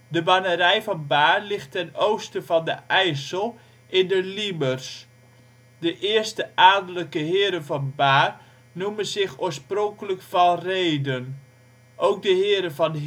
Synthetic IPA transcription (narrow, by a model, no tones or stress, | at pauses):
dəbanəɾɛjvɑnbaːrlɪxtɛnowstəvɑndəɛjsəlˠ | ɪndəlibərs | dəʔɪːəɹstəʔaːdələkəɦɪːəɾənvɑnbaːr | numənzɪxoːsprɔŋkələkfɑlˠrejdən | ʔowk̚dəɦɪːɾənvɑn